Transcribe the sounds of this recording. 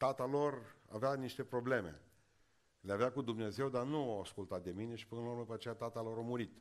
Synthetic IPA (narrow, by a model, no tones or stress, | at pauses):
t̪at̪alo̞ra̰veaniʃt̪e̞pɾo̞ble̞mḛ | leaveakud̪umne̞ze̞wd̪arnuawaskult̪at̪̚d̪e̞mine̞ʃi̥pɨnlaurməd̪upəat͡ʃejat̪at̪alo̞ɾamuɾit̪